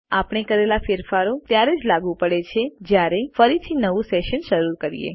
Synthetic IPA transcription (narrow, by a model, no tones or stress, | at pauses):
apɳ̃ekəɾelafeɾfaɾot̪jaɾed͡ʒlaɡũpəɽet͡ʃʰed͡ʒjaɾefəɾit̪ʰinəʋũseʃənʃəɾuɾkəɾḭjḛ